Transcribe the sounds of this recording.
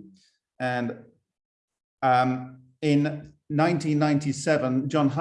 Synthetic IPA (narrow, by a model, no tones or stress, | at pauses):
ə̃n | ʌm | ɪ̃nː | ãɪ̃ntĩnːãɪ̃ntisɛvə̃nd͡ʒɒ̃nɦa